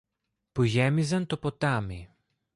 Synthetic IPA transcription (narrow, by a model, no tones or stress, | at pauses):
puʝɛmizɐnt̪opot̪ami